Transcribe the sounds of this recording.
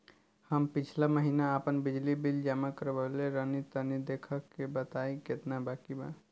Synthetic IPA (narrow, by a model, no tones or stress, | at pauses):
həmpit͡ʃʰlaməɦinaəpənbid͡ʒlibild͡ʒamakəɾbəleɾənit̪ənid̪ekʰəkːebət̪aiket̪nabakiba̰